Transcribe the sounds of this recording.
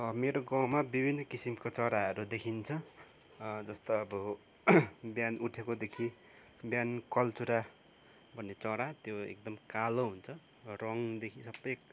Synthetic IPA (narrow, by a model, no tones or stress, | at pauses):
ʌmeɾoɡawmabibʱinːʌkisimkot͡sʌɽaʌɾud̪ekʰint͡sʰʌ | d͡zʌst̪oʌbʌ | bjanuʈʰekod̪ekʰi | bjankʌlt͡suɾa | bʱʌnːet͡sʌɾat̪joḛk̚d̪ʌmkaloɦunt͡sʰʌ | rʌŋd̪ekʰisʌbːʌjk